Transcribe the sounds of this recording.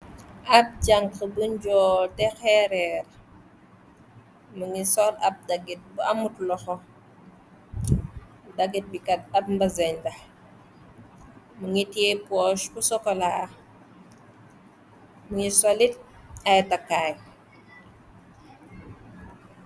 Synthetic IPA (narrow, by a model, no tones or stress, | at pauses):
ʔɐp̚ɟaŋkəbuɲɟɔːtɛxɛɾɛɾ | muŋisɔlɐp̚dɐɡit̚buɐmutlɔxɔ | dɐɡit̚bikɐt̚ɐpmbɐzɛɲdɐ | muŋitiepɔʃkusɔkɔlaː | muŋisɔlit̚ | ɐjtɐkːaj